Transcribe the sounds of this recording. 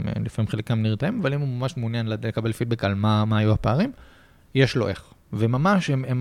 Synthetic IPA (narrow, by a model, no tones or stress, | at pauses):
mḛlifamimχelekamniʁt̪aimavalimumamaʃmunjanllekabe̞lfit̪̚bekalmamaːjuhapaaʁim | jeʃlo̰ʔeχvemamaʃemem